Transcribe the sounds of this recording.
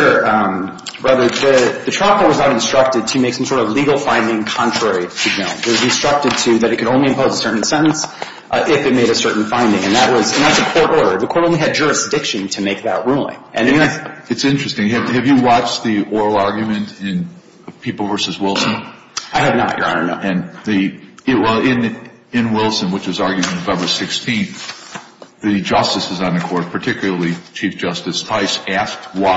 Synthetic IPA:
ə˞ | ɹæðə˞ðɨðɨtʰɹ̥ɑpəwʌznəɾɨ̃nstɹ̥ʌk̚tɨd̚tʰɨmeɪksʌ̃msɔɹɾʌvliɡl̩ˠfãɪ̃ndɪ̃ŋkʰɑ̃ntʰɹ̥ɛɹiɾʰɨd͡ʒõʊ̃nɨt̚wʌzɨ̃nstɹ̥ʌk̚tɨd̚tʰɨðɨɾɨt̚kʰɨɾõʊ̃nliɨ̃mpʰoʊzəsɜ˞ʔn̩sɛ̃ñn̩s | ʔɪfɨt̚meɪɾɨsɜ˞ʔn̩fãɪ̃ndɪ̃ŋɨ̃nðəʔ̚wʌzɨ̃nðætsɨkʰɔɹɾɔɹɾə̰˞ðɨkʰɔɹɾõʊ̃nliɨd̚d͡ʒʊɹɨsd̥ɪkʃɨ̃ntʰɨmeɪk̚ðə̰ʔ̚ɹulˠɪ̰̃ŋʔɨ̰̃nɨtsɪ̃nt͡ʃɹ̥ɨstɪ̃ŋɨvɨvjɨwɑt͡ʃðiʔɔɹl̩ˠɑɹɡjɨmɨ̃ntɪ̃n | pʰipl̩ˠvɜ˞sɨzwɪlˠsə̃n | aɪɨvnə̰ʔjə̰˞a̰ə˞nɨ̃nðiwɛlˠɪ̃n | ɪ̃nwɪlˠsɨ̃nwət͡ʃwʌzɑɹɡjʉ̃nɨvɛ̃mbə̥˞sɪkstʰĩn | ðɨd͡ʒʌstɨsɨz̃nɨkʰɔɹt̚pʰə˞tʰɪkjl̩ˠə˞lˠit͡ʃʰifd̥ʒ̥ʌstɨstʰaɪsæsk̚t̚wa

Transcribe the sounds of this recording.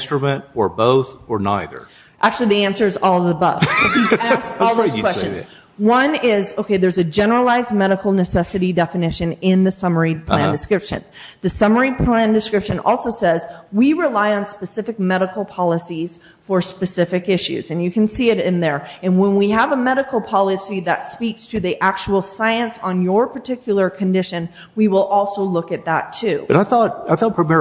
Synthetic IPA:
stɹ̥ɨmɨ̃ntə˞boʊθə˞na̰ɪðə̰˞ | ʔæk̚t͡ʃʉl̩ˠiðiæ̃nsə˞ɨzɔlˠʌvəbʌ̰v̥kʰʌizæskɔlˠðozw̥ɛst͡ʃɨ̃nz | wʌ̃nɪzoʊkʰeɪðə˞zɨd͡ʒɛnə˞əlaɪz̚mɛɾəkl̩ˠnɨsɛsɨɾidɛfɨnɪʃɨ̃nɪ̃nðɨsʌmə˞id̚pʰl̥æ̃ndɨskɹɪpʃɨ̰̃n | ðɨsʌmə˞id̚pʰl̥æ̃ndɨskɹɪpʃɨ̃nʔɔ̰lˠsoʊsɛzwiɹɪlaɪə̃nspɨsɪfɨk̚mɛɾəkl̩ˠpʰɑlˠəsiz̥ | fə˞spɨsɪfɨkɪʃʉ̰zɨ̃njɨkɨ̃nsiɨɾɪ̃nðə˞ɨ̃nwə̃nwiəvəmɛɾɨkl̩ˠpʰɑlˠəsiðɨ̰tspikstʰɨðiʔæk̚t͡ʃul̩ˠsaɪɨ̃nsn̩jə˞pʰə˞tʰɪkʰjl̩ˠə˞kʰɨ̃ndɪʃɨ̃n | wiwɪlˠʔɔlˠsoʊlʊkɨt̪̚ðə̰tʰʉbʌɾaɪθɔt̚aɪfɛlˠpʰmɛ

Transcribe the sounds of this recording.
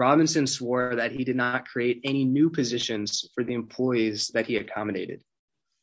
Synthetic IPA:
ɹɑbɨ̃nsɨ̃nswɔɹðɨt̚hidɨdⁿnət̚kʰɹ̥ieɪɾɛñinʉpʰɨzɪʃɨ̃nz̥fə˞ðiɨ̃mpʰl̥ɔɪizðɨt̚hiɨkʰɑmɨdeɪɾɨ̰d̥

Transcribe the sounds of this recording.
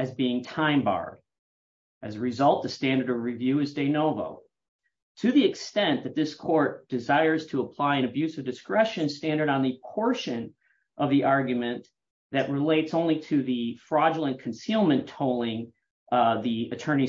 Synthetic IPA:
ɨzbiɪ̃ŋtʰãɪ̃mbɑ̰ɹɾ | ʔɨzəɹɨzʌlˠt̪̚ðɨ̥stæ̃ndə˞ɾʌvɹivjʉɨzdeɪnoʊvo̰ʊ | tʰɨðiɨkstɛ̃nðɨt̪̚ðɪskʰɔɹt̚d̥ɨzaɪə˞z̥tʰəəpʰl̥aɪɨ̃ñɨbjʉsʌvdɨskɹɛʃɨ̃nstæ̃ndə˞ɾn̩ðɨpʰɔɹʃɨ̃n | ʔʌvðiʔɑɹɡjɨmɨ̃n | ðɨʔ̚ɹɨleɪtsõʊ̃nliɾɨðifɹɑd͡ʒl̩ˠə̃nkʰn̩silˠmɨ̃ntʰoʊlˠɪ̃ŋ | ðiɨtʰɜ̃˞ñi

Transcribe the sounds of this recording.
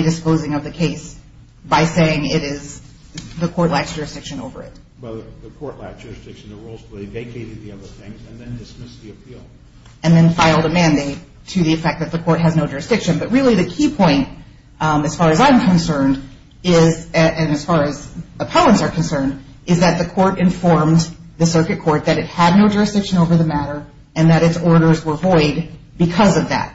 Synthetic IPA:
idɨspoʊzɪ̃ŋʌvðɨkʰeɪs | b̥aɪseɪɪ̃ŋɪɾɪz | ðɨkʰɔɹtˡlæksd̥ʒ̥ʊɹɨsd̥ɪkʃɨ̃no̰ʊvə̰˞ɪ̰t̚ | b̥ʌt̪ðɨkʰɔɹʔlæ̰sd̥ʒ̥ʊɹɨsd̥ɪkʃn̩ðəɹuʊlˠz̥pʰl̥eɪveɪkʰeɪɾɨd̪̚ðiʌðə˞θɪ̃ŋzɨ̃nðɨ̃ndɨsmɪsðiɨpʰilˠ | ɨ̃nðɨ̃nfaɪlˠdəmæ̃ndeɪtʰɨðiɨfɛk̚ðɨt̪̚ðɨkʰɔɹt̚ɦɨznoʊd͡ʒʊɹɨsd̥ɪkʃɨ̃nbʌt̚ɹɪlˠiðɨkʰipʰɔ̃ɪ̃nt̚ | ɨz̥fɑɹɨzãɪ̃mkʰɨ̃nsɜ̃˞nd | ɪzɨʔɨ̃nɨz̥fɑɹɨzəpʰoʊə̃ntsə˞kʰɨ̃n̩sɜ̃˞ndɨzðɨt̪̚ðɨkʰɔɹɾɨ̃ɱfɔɹmðɨsɜ˞kɨt̚kʰɔɹt̪̚ðɨɾɨt̚hɨdⁿnoʊd͡ʒʊɹɨsd̥ɪkʃɨ̃noʊvə˞ðɨmæɾə˞ | ɨ̃nðɨɾɨtsɔɹɾə˞zwə˞vɔɪd̚ | bɨkʰʌzʌvðæ̰t̚

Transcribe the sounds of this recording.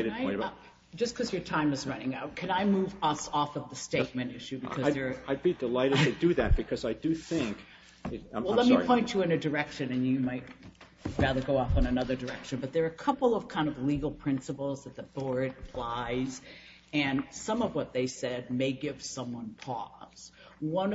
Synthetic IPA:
aɪ | d̥d͡ʒʌskʰʌzjə˞tʰãɪ̃mɨzɹʌnɪ̃ŋaʊt̚kʰɨ̃naɪmuvʌsɔfʌvðɨsteɪt̚mɨ̃ntɪʃʉbɨkʰʌzɪðə˞aɪbidɨlaɪɾɨɨdɨðɨt̚b̥ɨkʰʌzaɪdɨθɪ̃ŋk | wɛllɛttmipʰɔ̃ɪ̃nt͡ʃɨɨ̃nɨdə˞ɛkʃɨ̃nɨ̃njɨmaɪt̚ | ɹæðə˞ɡoʊɔfə̃nɨnʌðə˞də˞ɛkʃɨ̃nbʌt̪̚ðə˞ɨkʰʌpl̩ˠʌv̥kʰãɪ̃ndʌvliɡl̩ˠpʰɹ̥ɪ̃nsəpl̩ˠzðɨt̪̚ðɨt̚b̥ɔɹd̚flaɪz̥ | ɨ̃nsʌ̃mʌvwʌt̪̚ðeɪsɛd̚meɪɡɪv̥sʌ̃mwʌ̃npʰɔ̰z̥ | wʌ̃n

